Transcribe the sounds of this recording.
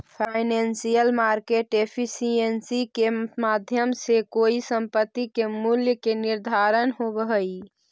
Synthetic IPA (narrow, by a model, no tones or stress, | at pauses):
pʰaɪnensijəlmaɾkeʈepʰisiensikemad̪ʱjəmsekoisəmpət̪ːikemuljəkeniɾd̪ʱaɾənɦobəɦəj